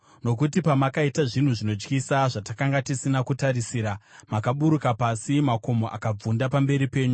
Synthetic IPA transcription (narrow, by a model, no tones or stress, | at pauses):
no̞k̬utipamakaitaʐin̤uʐino̞d͡ʒkisaʐatakaŋɡatisinakutaɾisiːɾamakaɓuɾukapasimako̞mo̞ʔa̰kab͡vundapambe̞ɾipe̞ːɲu